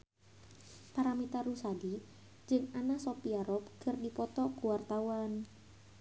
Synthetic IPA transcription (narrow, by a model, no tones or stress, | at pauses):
paɾamit̪arusadi | d͡ʒɨŋanasopiaɾɔp̚kɨrdipɔt̪ɔkuwart̪awan